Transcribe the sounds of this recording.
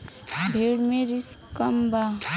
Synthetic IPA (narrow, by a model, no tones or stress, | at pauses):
bʱeːɽmẽɾiskəmba